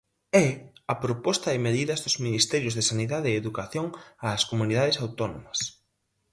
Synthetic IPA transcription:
ɛɐpɾopɔst̪ɐðɪmeðiðɐzðʊzminist̪ɛɾjʊzðesaniðaðeeðukaθjoŋaskomuniðaðɪsawt̪ɔnomɐs

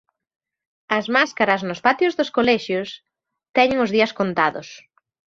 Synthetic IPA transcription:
ɐzmaskaɾɐznʊspat̪jʊzðoskolɛʃjos | t̪ɛɲɪŋʊzðiɐskont̪aðʊ̰s

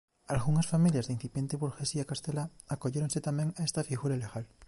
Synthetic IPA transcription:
alɣuŋasfamiljazðin̟θipje̞nt̪eβuɾxesiakast̪elaːko̞ʝeɾoŋset̪amẽŋaest̪afiɣuɾaleɣal

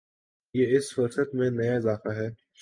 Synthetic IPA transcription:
jeːɪsfʊɾsət̪mẽnɐjaɪzaːfaɦɛː

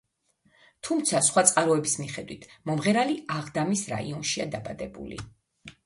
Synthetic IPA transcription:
t̪ʰumt̪sʰasχwat̪sʼqʼaɾɔɛbismiχɛd̪wit̪ʰmɔmʁɛɾaliaʁd̪amisɾa̰ḭɔnʃiad̪abad̪ɛbṵlḭ

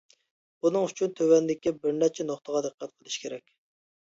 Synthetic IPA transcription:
bunɨŋyt͡ʃʰynt̪ʰøwɛnd̪ɪkʲibɪɾnɛt͡ʃʰɛnoχt̪əʁɑd̪ɨqʰːæt̪̚qʰəlˠɨʃkʲʰeɾɛkʲ

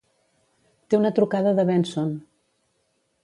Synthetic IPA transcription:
t̪eunət̪ɾukaðəðəβɛnson

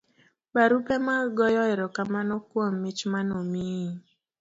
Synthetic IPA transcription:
baɾupɛmaɡɔjɔɛɾɔkamanɔkwomːɪt͡ʃmanɔmi

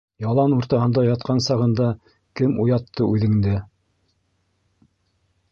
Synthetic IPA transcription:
jɑlˠɑnuɾt̪ɑhɤ̆nd̪ɑjɑt̪̚qɑnsɑʁɤ̆nd̪ɑ | kɘmujɑt̪ːɤʔʉðɘ̆ŋd̪ɘ

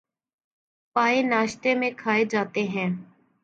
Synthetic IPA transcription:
paːenaːʃt̪eːmẽkʰaːed͡ʒaːt̪eɦɛ̃ː

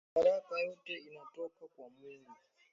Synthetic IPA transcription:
aɾakʼajotʼeinatʼɔpʰakʼwamweːnŋi

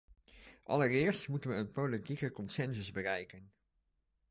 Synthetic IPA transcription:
ʔɑ̰lərɪːɹstmutənʋəːnpolitikəkɔnsɛnzəzbərɛjkən

